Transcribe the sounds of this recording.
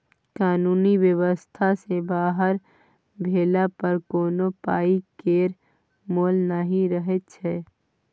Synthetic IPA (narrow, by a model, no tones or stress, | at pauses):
kaːnuːniwjəwəst̪ʰasebaːɦəɾ | bʱeːlapəɾkoːnopaːikeːɾ | moːlnaɦĩɾəɦet̪̚t͡ʃʰɛː